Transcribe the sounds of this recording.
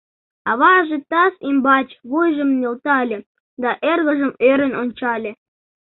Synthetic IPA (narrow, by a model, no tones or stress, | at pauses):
ɑβɑʒĕt̪ɑsimbɑt͡ɕβujʒɤ̆mnʲĕlt̪ɑlʲɘ̆ | d̪ɑʔerɣɤ̆ʒɘ̆møɾʲɘ̆nʲonʲt͡ɕɑlʲɘ̆